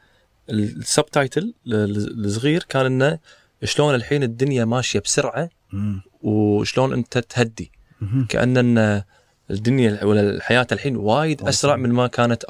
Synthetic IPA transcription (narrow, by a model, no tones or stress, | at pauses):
ʔɪlsab̚t̪aːjt̪ʰɪl | sˤɣiːɾkaːnʔɪnːa | ʃloːnɪlħiːnɪd̪ːʊnjamaːʃjabsʊɾʕa | wʃloːnʔɪ̰nt̪at̪had̪ːi | ka̰ʔa̰nːʔɪnːa | d̪ːʊnjawaħajaːt̪alħiːnwaːjɪd̪ʔʔasɾˤɑʕmɪnmakaːnat̪